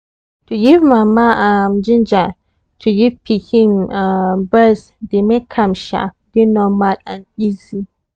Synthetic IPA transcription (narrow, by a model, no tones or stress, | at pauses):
tʰujivmãmãʔamd͡ʒɪ̃nd͡ʒa | tʰujipʰihĩmabɛs | dɪmẽkʰãmʃa̰ | dinɔmalãnizi